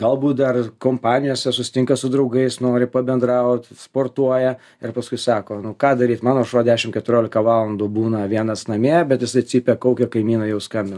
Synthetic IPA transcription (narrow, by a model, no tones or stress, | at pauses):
ɡɐlˠbuːt̪̚d̪ɐrkoːmpɑːnʲɪjoːsʲɛsʊsʲɪ̥t̪ʲɪŋkɐsʊd̪ɾɐʊɡɐɪsnoːɾʲɪpɐbʲɛnd̪ɾɐʊt̪ʲspoːrt̪uɔjɛ | ɪrpɐskʊɪsɑːkoːnʊkɑːd̪ɐɾʲiːt̪mɑːnoːɐʃoɔd̪ʲæːʃʲɪmkʲɛt̪ʊɾʲoːlʲɪkɐʋɑːlˠɐnd̪uːbuːnɐʋʲiɛnɐsnɐmʲeːbʲɛt̪jɪsɐɪt͡sʲsʲiːpʲɛkɐʊkʲoːkɐɪmʲiːnɐjɛʊskɐmʲbʲɪn